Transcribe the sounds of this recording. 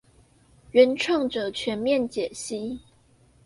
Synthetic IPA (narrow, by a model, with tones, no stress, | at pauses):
ɥɛ˨˦nʈ͡ʂʰwɑ˥˩ŋʈ͡ʂɤ˨˩t͡ɕʰɥɛ˧˦nmjɛ˥˨nt͡ɕjɛ˨˩ɕi˦˥